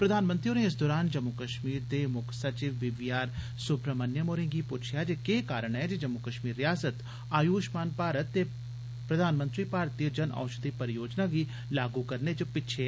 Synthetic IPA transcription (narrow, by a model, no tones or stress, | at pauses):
pɾəd̪ʱaːnmə̃nt̪ɾijoːneɪs̬d̪oːɾaːnd͡ʒəmːʊkəʃmiːɾd̪eːmʊkʰsət͡ʃiːʋːɪʋɪjaːɾ | sʊpɾəmənjəmoːɾɪ̃ŋɡiːpʊt͡ʃʰjaːd͡ʒekeːkaːɾəɽɛːd͡ʒed͡ʒəmːʊkəʃmiːɾːɪjaːsət̪ | aːjuːʃmaːnpaːɾət̪ːeː | pɾəd̪ʱaːnmə̃nt̪ɾiːpaːɾt̪iːəd͡ʒəna̰ːʊʃəd̪iːpəɾjoːd͡ʒnaːɡiː | laːɡuːkəɾned͡ʒoːpɪtːʃʰe